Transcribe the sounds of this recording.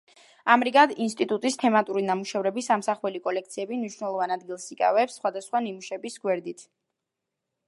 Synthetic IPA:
amɾiɡad̪inst̪ʼit̪ʼut̪ʼist̪ʰɛmat̪ʼuɾinamuʃɛvɾɛbisamsaχwɛlikʼɔlɛk̚t̪sʰiɛbimniʃwnɛlˠɔvanad̪ɡilˠsikʼa̰vɛpsːχwad̪asχwanimuʃɛbisɡwɛɾd̪it̪ʰ

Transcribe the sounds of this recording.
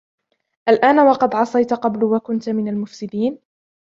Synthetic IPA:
ʔalʔaːnwɑqɑd̪ʕɑsˤɑjt̪qɑblwakʊnt̪mɪnalmʊfsɪd̪iːn

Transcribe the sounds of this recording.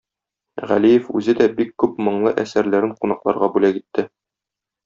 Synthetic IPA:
ʁæ̰lijɘfʉzɘd̪æbikːʉpmɤ̆ɴlˠɤʔæsæɾlæɾɘɴqunɑqlˠɑ̰ɾʁɑbʉlækit̪ːɘ

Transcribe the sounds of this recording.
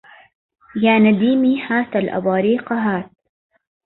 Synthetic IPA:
jaːnad̪iːmiːhaːt̪alʔa̰bɑːɾiːqɑɦaːt̪̚

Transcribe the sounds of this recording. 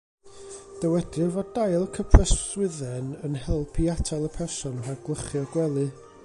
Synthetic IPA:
d̥əwɛdɨvɔddajlˠəkʰəpʰrɛswɪðɛnənhɛlˠpʰiatʰalˠəpʰɛrsɔnrarɡlˠəχjɔɡwɛlˠɨ

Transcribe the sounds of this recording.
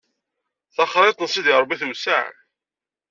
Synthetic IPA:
θɑχɾˤet̪ˤnsid̪iɾˤbiθəmsa̰ʕ̰

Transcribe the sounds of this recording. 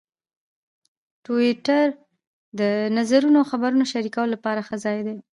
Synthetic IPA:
ʈoɪʈaɾ | d̪ənazaɾunoxabaɾunoʃaɾikawolapɑɾaxəzɑjd̪e

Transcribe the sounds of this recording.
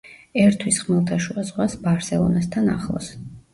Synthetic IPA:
ɛɾt̪ʰwisχmɛlˠt̪ʰaʃuazʁwasbaɾsɛlˠɔ̰nast̪ʰana̰χlˠɔ̰s

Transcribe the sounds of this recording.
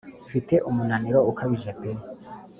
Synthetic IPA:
fite̞ʔumunaniɾoukʰaβiʒepeɾ

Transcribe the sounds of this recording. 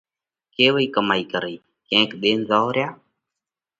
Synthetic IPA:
keːwəikəmaikəɾəi | kɛ̃kɗeːnzaɾja

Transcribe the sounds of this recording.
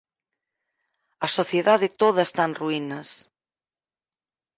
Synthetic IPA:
ɐsoθjeðaðet̪oðɐest̪anruinɐs

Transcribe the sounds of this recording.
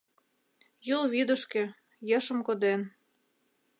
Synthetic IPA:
julβid̪ə̆ʃkĕ | jɤ̆ʃəmkod̪en

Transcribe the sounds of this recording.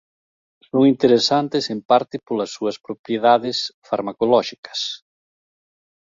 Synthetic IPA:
soŋint̪eɾesant̪ɪsempaɾt̪ɪpolɐsːuɐspɾopɾjeðaðɪsfaɾmakolɔʃikɐ̥s

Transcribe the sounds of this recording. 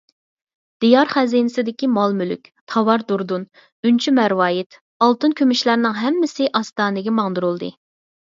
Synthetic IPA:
d̪̥ijɑɾχæzinɪsɪd̪ɪkʲimɑlˠmyly̰kʲt̪ʰɑwɑɾd̪uɾd̪un | ynt͡ʃʰymæɾwɑːjɪt̪ | ɑlˠt̪ɨnkʲʰømyʃlæɾnɪŋɦɛmːɪsɪʔɑst̪ɑːnɪɡʲɛmɑŋd̪uɾulˠd̪ɨ̰

